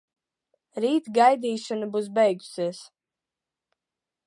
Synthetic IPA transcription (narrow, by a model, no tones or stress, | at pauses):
ɾiːt̪ɡajd̪iːʃɔnabus̬bɛjɡu̥siɛs